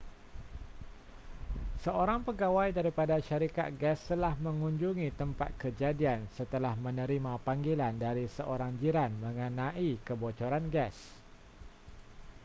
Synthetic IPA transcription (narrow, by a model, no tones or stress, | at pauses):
səoɾaŋpəɡawajdaɾipadaʃaɾika̰t̪̚ɡɛst̪əlahməŋuɲd͡ʒuŋit̪əmpa̰t̪̚kəd͡ʒadiansət̪əlahmənəɾimapaŋɡilandaɾisəʔoɾaŋd͡ʒiɾanməŋənaʔikəbot͡ʃoɾanɡɛs